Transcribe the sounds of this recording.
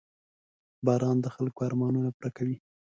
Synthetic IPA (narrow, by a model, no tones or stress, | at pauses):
bɑɾɑnd̪əxalkoaɾmɑnunapɾakawi